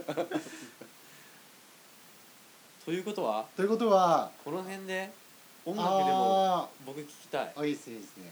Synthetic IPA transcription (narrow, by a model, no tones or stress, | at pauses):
t̪ʰo̞jɯ̟ːko̞t̪o̞βat̪o̞jɯ̟ko̞t̪̬o̞βakʰo̞noɦẽ̞nd̪e̞ | õŋɡaeɾeobo̞kɯ̟kʲi̥kʲi̥t̪aiaiːd̪esɨneiːesɨne̞